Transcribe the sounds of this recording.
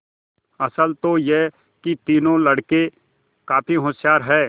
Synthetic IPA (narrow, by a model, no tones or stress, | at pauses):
ɐsəlt̪oje | kit̪iːnõlɐɽke | kaːpʰiɦot̪sjaːɾɦɛː